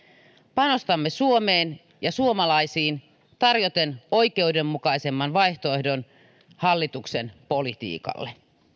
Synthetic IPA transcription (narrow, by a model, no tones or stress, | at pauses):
pɑno̞st̪ɑmːesuomeːn | jɑsuomɑlɑisiːn | t̪ɑrjo̞t̪eno̞jk̟e̞udemːukɑise̞mːɑnʋɑjht̪oe̞hdon | hɑlːit̪uksenpo̞lit̪ḭːkɑ̰lːe